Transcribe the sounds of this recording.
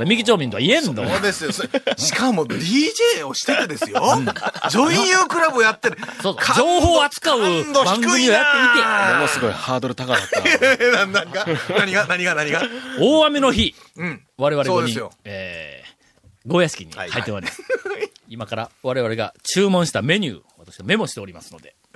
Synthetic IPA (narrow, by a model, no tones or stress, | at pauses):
ɾamʲikʲit͡ɕoːmʲĩnt̪o̞aiẽ̞nd̪od̪esɨjoɕi̥kamo̞d̪ʲiːʑeːoɕi̥t̪ek̪ɯd̪e̞sɨjoɯ̃d͡ʑoĩjɯːkɯ̟ɾabɯojat̪ːeɾ̟soːsod͡ʑo̞ːho̞ːat͡sɨ̥kaɯbãŋɡɯ̟mʲio̞jat̪ːe̞it̪eomosɨɡo̞ihaːd̪o̞ɾɯ̟t̪akaanãnd̪aɡanaɲiɡanaɲ̟iɡanaɲiɡaoːamʲeno̞çĩ | βaɾe̞βaɾeoɲijoeː | ɡo̞ːjasɨ̥kʲiɲ̟ḭahait̪ːemad̪es | imakaɾaβaɾe̞β̞aɾeɡa̰t͡ɕɨːmõ̞ɰ̃ɕi̥t̪ame̞ɲ̟ʲɨ̰ːβat̪aɕiβame̞mo̞ɕi̥t̪e̞o̞ɾimasɨno̞d̪e̞